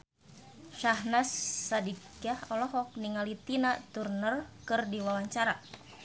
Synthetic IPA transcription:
ʃahnasːadikahɔlɔɦɔk̚niŋalit̪inat̪urnərkɨrdiwawaɲt͡ʃaɾa

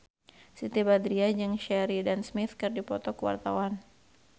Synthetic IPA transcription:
sit̪ibad̪ɾiad͡ʒɨŋʃɛɾidansmɪt̪kɨrdipɔt̪ɔkəwa̰rt̪awan

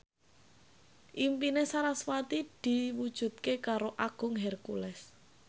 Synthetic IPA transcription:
ʔimpinesaɾaswat̪id̪̥i̤wud̥ʒ̥ṳt̪̚kekaɾoʔaɡ̥ʊ̤ŋɦɛrkulɛs

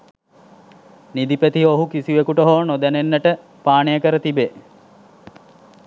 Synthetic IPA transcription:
nid̪ipet̪iɦoɦukisiʋekuʈəɦoːnod̪ænenːəʈə | paːnejəkəɾət̪ibe

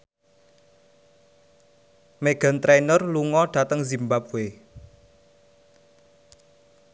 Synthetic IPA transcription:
meɡ̥a̤nt̪ɾenərluŋɔɖ̥ä̤t̪əŋzimbap̚ue

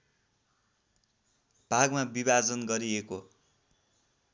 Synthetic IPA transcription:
b̥ʱaɡmabibad͡zʌnɡʌɾieko

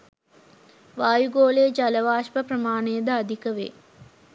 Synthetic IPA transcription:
ʋaːjuɡoːlejəd͡ʒaləʋaːʃpəprəmaːnejəd̪əad̪ikəʋḛː

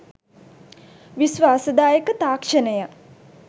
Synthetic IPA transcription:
ʋisʋaːsəd̪aːjəkət̪aːkʂənəjə

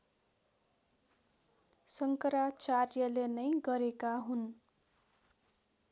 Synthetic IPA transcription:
sʌŋkʌɾat͡sarjʌlenʌjɡʌɾekaɦun

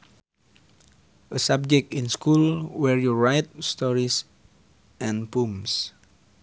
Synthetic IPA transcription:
əsab̚d͡ʒɛk̚tĩnskʰulwɛɹjuɹajt̚stɔɹis | ʔɛ̃npũms

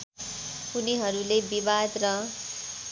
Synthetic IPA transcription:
uniɦʌɾulebibad̪rʌ

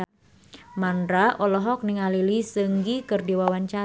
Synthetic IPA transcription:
mandɾaʔɔlɔɦɔk̚niŋalilisəŋɡikɨrdiwawaɲt͡ʃa

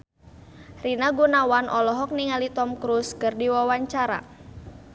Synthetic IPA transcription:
rinaɡunawanʔɔlɔɦɔk̚niŋalit̪ɔmkɾuskɨrdiwawaɲt͡ʃaɾa̰

